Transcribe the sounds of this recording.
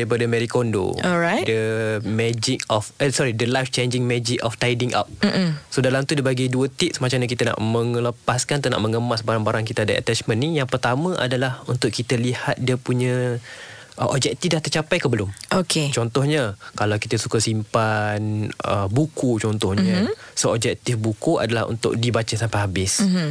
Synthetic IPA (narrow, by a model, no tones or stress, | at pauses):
daipadəmɛɾikondo̰ɔɾajdəmɛd͡ʒɪk̚ɔfsɔɾidəlajft͡ʃend͡ʒɪŋmɛd͡ʒɪkɔft̪ajdiŋʔa̰p̩̚sodalamt̪udabaɡiduət̪iʔ̚smat͡ʃamɲak̬it̪əna̰ʔmə̃ŋləpaskant̪una̰ʔmə̃ŋəmasbaɾaŋbaɾaŋkit̪aadaʔa̰t̪ɛt͡ʃmə̃nnijaŋpərt̪amə̃ʔa̰dalahunt̪ʊʔkit̪əlihat̪̚diəpuɲã | ʔəʔɔb̚d͡ʒɛk̚t̪ifdaht̪ərt͡ʃapajkəbəlʊmʔokʰet͡ʃɔnt̪ɔhɲəkalawkit̪əsu̥kasimpanəbukut͡ʃɔnt̪ɔhɲəsoɔb̚d͡ʒɛk̚t̪ɪfbukua̰dalaɦṵnt̪ʊ̰ʔ̚dibat͡ʃasampaɦabɪs